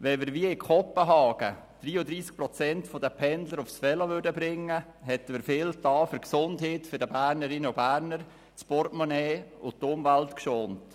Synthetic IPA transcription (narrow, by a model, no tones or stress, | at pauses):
ʋɛmɪɾʋiəɪkʰɔpːəɦɑːɡ̥ə | d̥riːəd̪ɾiːsk̚pɾɔt͡sɛntfɔdəpʰɛndləɾʊfsfɛləʋʏɾdəbɾɪŋːə | ɦɛtːəməɾfɪːltɑːfʏɾksʊndɦeːtføɾdəbæːɾnəɾɪnəʊbæːɾnəɾ | t͡spɔɾtmɔneːʊtʊmvæltkʃoːnt